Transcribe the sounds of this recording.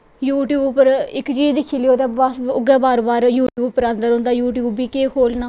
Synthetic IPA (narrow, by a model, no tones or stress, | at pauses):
juːʈjuːbpəɾɪkt͡ʃiːd͡ʒd̪ɪkʰːiːliːoːd̪ɛːbasʊɡɛːbaːɾbaːɾjuːʈjuːbpəɾə̃nd̪əɾɦõnd̪aːjuːʈjuːbiːkeːkʰoːlnaː